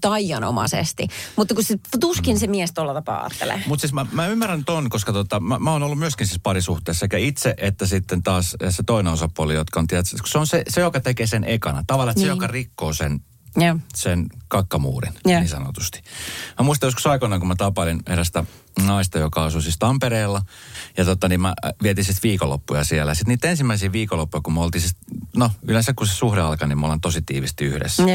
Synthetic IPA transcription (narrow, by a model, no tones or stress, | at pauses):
t̪ɑijɑno̰mɑ̰sḛst̪imut̪ːɑkuset̪uskinsemiest̪uolːɑt̪ɑpɑ̰ːɑ̰ːt̪ːḛlḛmut̪siːsmæmæymːærænt̪onkoskɑt̪ot̪ɑmæmæoːnolːumyøskinsiːspɑrisuht̪eːsːsekæit̪seʔet̪ːæsit̪ːent̪ɑːsset̪oinenosɑpuolijot̪kɑont̪iæt̪sku̥seonsesejokɑt̪ekeːsenʔekɑnɑt̪ɑʋɑlːˑɑstnssejokɑrikːoːsen | senkɑkːɑmṵːrḭnniːsɑno̰t̪u̥st̪i̥mæmuist̪ɑjoskusɑikonːˑɑŋkumæt̪ɑpɑlinḛɾæst̪æ | nɑist̪ɑjokɑɑsusist̪ɑmpereːlːɑjɑt̪ot̪ːˑɑniːmmæ̰ʋiɛt̪insit̪ʋiːkolːo̰pːujɑsiɛlːæ̰jɑsit̪niːt̪ensimːæisiːʋiːkolːopːujɑkumolt̪iːsit̪noyleˑnsækkusesuhɾeɑlkɑniːmæolɑnt̪osit̪ḭːʋist̪iyhɾḛsːæ